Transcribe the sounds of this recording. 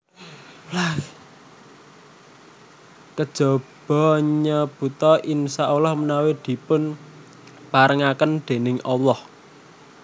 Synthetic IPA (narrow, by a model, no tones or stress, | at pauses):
la | kəd̥ʒ̥ɔ̤b̥ɔ̤ɲəb̥ṳt̪ɔʔinsaʔulɔhmənawed̪̥i̤pʊn | paɾəŋakənɖ̪̥e̤nɪŋʔɔlɔh